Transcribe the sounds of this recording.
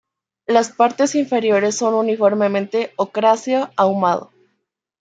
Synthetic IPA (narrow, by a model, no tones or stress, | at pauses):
laspaɾt̪e̞siɱfe̞ɾjo̞ɾe̞sːo̞nunifo̞ɾme̞mẽnt̪e̞okɾasjoawmað̞o̰